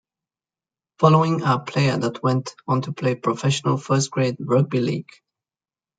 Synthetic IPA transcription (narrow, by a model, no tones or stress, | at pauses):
fɔloʊɪ̃ŋəpʰl̥eɪə˞ðət̚ʰwɛ̃ntn̩tʰupʰl̥eɪpʰɹ̥ɔfɛʃənəlˠfɜ˞stɡ̥ɹeɪdɹʌbilḭɡ̥